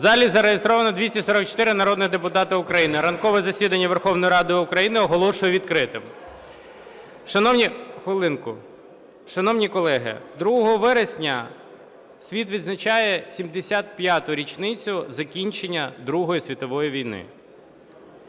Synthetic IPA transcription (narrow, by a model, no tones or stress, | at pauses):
zɑlʲizɐɾejest̪ɾɔʋɐnɐd̪ʲʋʲisʲɐsɔɾɐk̚t͡ʃɔ̥t̪ɪɾɪnɐɾɔd̪nɪd̪epʊt̪ɑt̪ɐʊkɾɐjinɪɾɐnkɔʋɛzɐsʲid̪ɐnʲːɐʋerxɔwnɔjɾɑd̪ɪʊkɾɐjinɪɔɦɔlˠɔʃʊjɛʋʲid̪kɾɪt̪ɪm | ʃɐnɔwnʲixʋɪlˠɪnkʊ̰ | ʃɐnɔwnʲikɔlˠɛɦɪ̰d̪ɾuɦɔɦɔɦɔʋɛɾesʲnʲɐ | sʲʋʲit̪ʋʲid̪znɐt͡ʃajɛsʲimd̪esʲat̪̚pʲjat̪ʊɾʲit͡ʃnɪt͡sʲʊzɐkʲinʲt͡ʃenʲːɐd̪ɾuɦɔjisʲʋʲit̪ɔʋɔjiʋʲijnɪ̰